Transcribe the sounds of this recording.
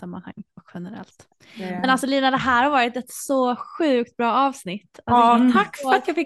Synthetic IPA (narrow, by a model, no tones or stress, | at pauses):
samːa̰nha̰ŋːɔkɧɛnɛɾɛ̰lt̪ | mmɛnalsɔliːnad̪ɛɦæːɾhaɾvɑːɾɪt̪ɛt̪sɔɧʉ̟ːk̚t̪̚bɾɑːɑːvsnɪt̪ːat̪ʰakːfɾat̪jɑfɪ